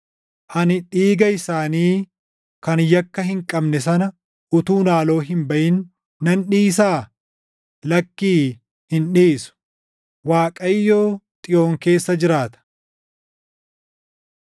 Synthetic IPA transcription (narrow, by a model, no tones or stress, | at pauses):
ʔɐnɪᶑiːɡɐɪsaːniː | kɐnjɐkːɐɦɪŋkʼɐbnɛs̬ɐnɐ | ʔʊt̪uːnaːlo̞ːɦɪmbɐʔɪnː | ɐnᶑiːs̬aː | lɐkːiː | hɪnᶑiːsʊ̥ | waːkʼɐjːo̞ːt̪ʼɪjo̞ːŋke̞ːsːɐd͡ʒɪɾaːt̪ɐ̥